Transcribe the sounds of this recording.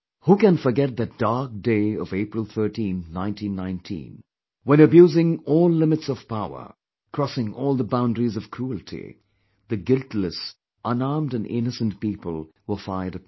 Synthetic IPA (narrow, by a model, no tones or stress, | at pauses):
hukæ̃nfə˞ɡɛt̪̚ðɨt̚d̥aɹk̚d̥eɪʌ̰veɪpɹəlˠθɜ˞tĩnnãɪ̃ntʰĩnːãɪ̃ntʰḭ̃n | wɛ̃ñɨbjuːzɪ̃ŋɔːlːɪmɨtsʌv̥paʊə̰˞ | kʰɹ̥ɔsɪ̃ŋɔlˠðəbãʊ̃ndɹizʌv̥kʰɾ̥ul̩ˠtʰḭ | ðɨɡɪlˠtləs | ʔʌ̃naɹmdɨ̃nɪ̰nəsə̃npiːpəlˠwə˞faɪə˞ɾɨ